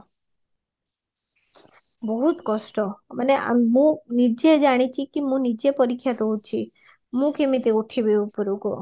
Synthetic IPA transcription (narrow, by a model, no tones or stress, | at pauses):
bɔɦut̪kɔʃʈɔmaneʔa̰mmũnid͡ʒed͡ʒaɽ̃it͡ʃʰikimũnid͡ʒepɔɾikʰːjat̪oɦut͡ʃʰi | mũkemit̪euʈʰebeupɔɾuko